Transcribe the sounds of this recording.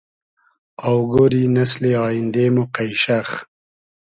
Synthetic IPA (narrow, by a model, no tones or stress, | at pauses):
awɡoːɾinasleɑːjind̪eːmoqajʃax